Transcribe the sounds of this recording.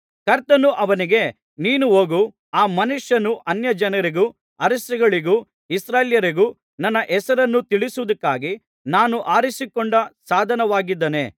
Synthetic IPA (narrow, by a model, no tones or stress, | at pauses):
kɐɾt̪ɐnuʔɐʋɐniɡe̞ | niːnuɦoːɡu | aːmɐnuʂjɐnuʔɐnjɐd͡ʒɐnɐɾiɡu | ɐɾɐsɐɡɐɭiɡu | isɾaːljɐɾiɡu | nɐnːɐʔɛsɐɾɐnːut̪iɭisuʋud̪ɐkːaːɡi | naːnuʔaːɾisikoɳɖɐsaːd̪ʱɐnɐʋaːɡid̪ːɐne